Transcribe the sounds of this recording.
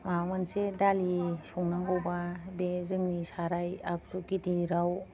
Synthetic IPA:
mamansedalisuŋnaŋɡowbabezɯŋnisaɾajak̚tukitiɾaw

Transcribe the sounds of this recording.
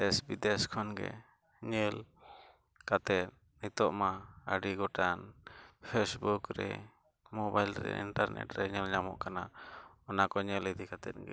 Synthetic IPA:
ɛsbid̪ɛskʰɔnɡɛ̰ | ɲəl | kat̪ɛt̪̚ | nit̪ɔʔmaəɖiɡɔʈanpʰesbukɾɛ | mɔbajlɾɛ̰ḭɳʈaɾnɛ̰ʈɾɛɲəlɲamɔ̰ʔkanaɔnakɔɲəlid̪ikat̪ɛt̪̚ɡɛ̰

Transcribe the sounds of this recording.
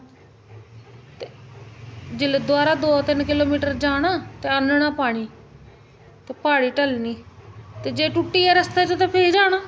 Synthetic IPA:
t̪e | d͡ʒɪled̪oaːɾaːd̪oːt̪ɪnkɪloːmiːʈəɾd͡ʒaːɽaːt̪eːənɳaːpaːɽ̃iː | t̪eːpaːɽiːʈəlniːt̪eːd͡ʒeːʈuʈːiːɛːɾəst̪aːt͡ʃõt̪ãːpʰeːd͡ʒaːɽ̃aː

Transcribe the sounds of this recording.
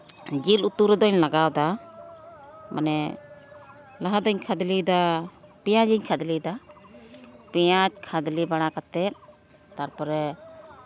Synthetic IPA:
d͡ʒilut̪uɾɛd̪ɔɲlaɡawd̪a | mʔa̰nɛ | laɦad̪ɔɲkʰad̪lid̪apɛjad͡ʒiɲkʰad̪lid̪a | pɛjat͡ʃ̚kʰad̪libaɽ̃akat̪ɛt̪̚ | t̪aɾpɔɾɛ

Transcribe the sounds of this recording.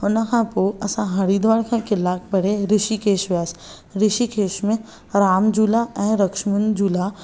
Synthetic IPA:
onɐkãːpoɐsãɦɐɽid̪ʋaːɽkʰãkɪlaːk̚pɐɽeɾɪʃikeːʃʋjaːs | ɾɪʃikʰeːʃmẽ | ɾaːmd͡ʒuːlaɛ̃ːɾɐkʃmənd͡ʒuːla

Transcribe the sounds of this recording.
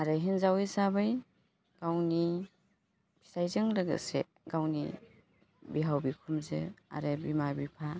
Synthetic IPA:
aɾɯɦinzawejsabɯj | ɡ̥awni | pʰi̥sajzɯŋlɯɡɯ̰sḛ | ɡawnḭ | biɦawbikʰumzɯa̰ɾɯbimabipʰa

